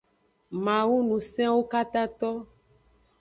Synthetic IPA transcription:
mã˨wu˦nũ˨sɛ̃˦wo˦ka˦t̪a˦t̪ɔ˦

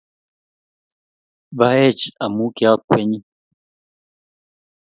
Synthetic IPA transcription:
ba˦ɛ˦˨t͡ʃa˨mu˦ki˦a˦kʷwe˦ɲi˦

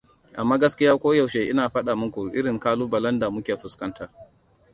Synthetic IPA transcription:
ʔa˨mːaː˦ɡɐ˦skʲɪ˦jaː˦kʷoː˦ja˨wʃe˨ʔɪ˦naː˨ɸɐ˦ɗa˨mʊ˦kʷu˨ʔɪ̰˦ɽɪ˨ŋkaː˦luː˦bɐ˨lɐ˦nda˨mʊ˦kʲeː˨ɸʊ˨skɐ˦ntʰaː˦˨

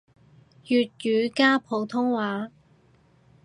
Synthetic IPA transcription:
jyː˨t̚jyː˨˧kaː˥pʰo˨˧wt̪ʰʊ˥ŋwaː˨˧

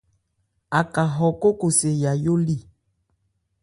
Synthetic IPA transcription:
a˨ka˨ɦɔ˨ko˦ko˨se˨ja˨jo˦li˦˨

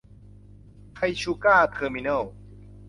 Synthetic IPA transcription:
kʰa˧jɕu˧kaː˥˩t̪ʰəː˧mi˧nə˥˩w

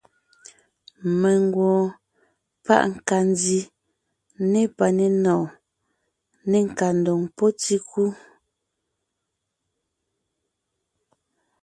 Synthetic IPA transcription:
mɛ˨ŋ˦ɡwɔ̃ː˨ | pa̰˦ʔŋ̩˨ka˨n˦di˨ | ne˦pa˨ne˨nɔː˨ | ne˨ŋ̩˨ka˨n̩˨do˨ŋpo˦ti˦ku˦

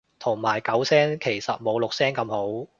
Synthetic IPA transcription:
t̪ʰʊ˨˩ŋmaː˨˩jkɐ˨˥wsɛː˥ŋkʰe˨˩jsɐ˨t̚mo˨˧wlʊ˨k̚sɛː˥ŋkɐ˧mho˨˥w

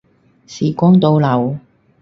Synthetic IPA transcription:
siː˨˩kʷɔː˥ŋt̪o˧wlɐ˨˩w

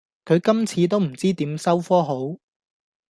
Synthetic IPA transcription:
kʰɵ˨˧ɥkɐ˥mt͡sʰiː˨˧t̪̬o˥wm̩˨˩t͡siː˥t̪iː˨˥msɐ˥wfɔː˥ɦo˨˥w

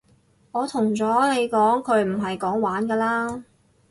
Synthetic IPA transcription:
ŋɔː˨˧t̪ʰʊ˨˩ŋt͡sɔː˨˥le˨˧jkɔː˨˥ŋkʰɵ˨˧ɥm̩˨˩ɦɐ˨jkɔː˨˥ŋwaː˨˥nkɛː˧laː˥

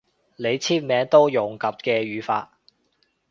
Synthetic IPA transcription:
le˨˧jt͡sʰiː˥p̚mɛː˨˧ŋt̪o˥wjʊ˨˩ŋkɐ˨p̚kɛː˧ɥyː˨˧fa̰ː˧t̚

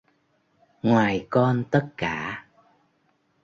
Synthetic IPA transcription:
ŋwaː˨˩jkɔ˧nt̪ə˦˥t̚kaː˧˥

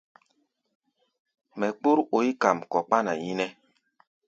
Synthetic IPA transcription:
mɛ˨k͡pu˦ɾo˨i˦ka˨mkɔ˨k͡pa˦na˨ji˦nɛ˦

